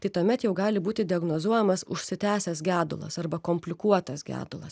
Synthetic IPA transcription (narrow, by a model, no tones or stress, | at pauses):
t̪ɐɪt̪uːmʲɛt̪jɛʊɡɑːlʲɪbuːt̪ʲɪd̪ʲɪɐɡnoːzuɔjɛmɐsʊʃʲsʲɪt̪ʲæːsʲɛsɡʲæːd̪ʊ̰lˠɐ̰sɐɾbɐkoːmʲpʲlʲɪkuɔt̪ɐsɡʲæ̰ːd̪ʊlˠɐs